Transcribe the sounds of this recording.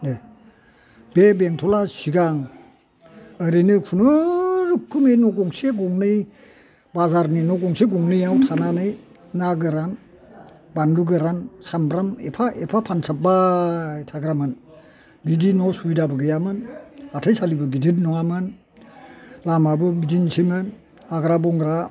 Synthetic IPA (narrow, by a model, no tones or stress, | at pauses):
ne | b̥ebeŋtʰɔlasiɡaŋ | əɾinɯkʰunɯɾɯkʰːumenɔɡɔŋseɡɔŋnɯj | bazaɾninɔɡɔŋseɡɔŋnɯjawtʰananɯj | naɡɯɾan | banluɡɯɾansambɾamḛpʰaʔepʰapʰansʰap̚bajtʰaɡɾamɯn | bidinɔsujdabɯɡɯjamɯnatʰajsalibɯɡiditnɔamɯn | lamabɯmidinsimɯn | aɡɾabɔŋɡɾa